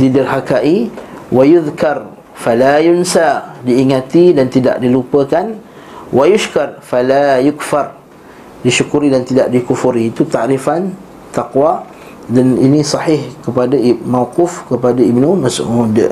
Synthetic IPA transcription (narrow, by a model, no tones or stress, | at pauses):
didarhakaʔiwajuðkar | falajunsadiːŋãt̪idant̪ida̰ʔdilupəkan | wʔajuʃkarfalajʊkfar | diʃukuɾidant̪idaʔdikufuɾiːt̪ut̪aʔɾifan | t̪aqwa | danḭnĩsɑħɪhkəpadamawqʊfkəpadaibnũmasʔmudə̰